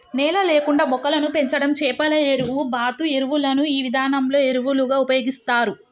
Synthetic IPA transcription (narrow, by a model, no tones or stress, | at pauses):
nɛːlɐleːkuɳɖaːmɔkɐlɐnupe̞ɲt͡ʃɐɽɐmt͡ʃɛːpɐlɐeɾuʋubaːt̪ue̞ɾuʋulɐnuiːʋid̪ʱaːnɐmlo̞ːe̞ɾuʋuluɡaːupɐjo̞ːɡist̪aːɾu